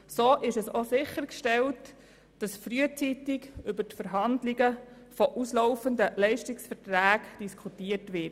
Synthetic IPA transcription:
soːʔɪʃɛsosɪχəɾkʃtɛlt | d̥ɑsfɾyət͡sitɪɡʏbətfəɾɦɑndlɪɡə | fɔʔuslɔʊfəndəlɛɪʃtɪksfətɾæːɡd̥iskʰutiːəɾtʋɪt

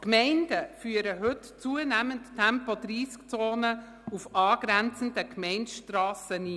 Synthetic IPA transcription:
kmɛɪnd̥əfyːəɾəɦɵtt͡suənæmənttʰɛmpɔdɾiːskt͡soːnə | ufɑːɡ̥ɾɛnt͡sn̩dəkmɛɪntʃtrɑːsəniː

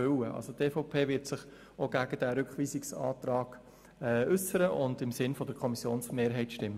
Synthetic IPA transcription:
ʏwəʔɑ̰lsot̪ɛːfɔʊpʰeːʋɪɾtsɪχ | oɡæɡ̥əd̥æɾʏkχʋiːsɪksɑ̰ːt̪ɾɑːɡ̥ | ɛːʔʏsəɾəʔʊndɪmsɪnfɔd̪əɾkʰɔmisjoːnsmeːɾɦɛɪtʃtɪmːə

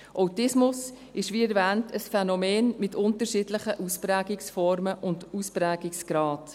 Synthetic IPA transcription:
ʔɔʊtɪsmʊs | ɪʃʋiːɛɾvæːntəsfɛnɔmeːnmɪtʊntəɾʃiːdlɪχəʔuspɾæːɡɪksfɔɾməʔʊnduspɾæːɡɪksɡ̥ɾɑːt

